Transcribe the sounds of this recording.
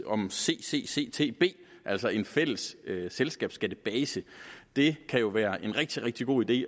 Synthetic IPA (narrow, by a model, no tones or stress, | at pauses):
ɒ̽mse̝̰ːse̝̰ːse̝̰ːt͡sʰe̝̰ːb̥e̝̰ː | ʔæl̰sɒe̝nfel̰əsøselsɡ̥ɛ̰ːb̥sɡ̥æd̥əb̥ɛːsəd̥e̝kʰæjo̝ʋæːɐʔe̝nʁɛɡ̥̚d̥iʁeɡ̥̚d̥iɡ̥o̝̰ːid̥e̝̰ː